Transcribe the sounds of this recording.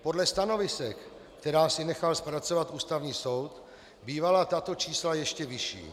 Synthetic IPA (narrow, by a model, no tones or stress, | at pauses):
po̞dlɛst̪ano̞vɪsɛk | kt̪ɛɾaːsɪnɛxalspɾat͡so̞vat̪ʔuːst̪avɲiːso̞wt̪ | biːvalat̪at̪o̞t͡ʃiːslajɛʃcɛvɪʃḭː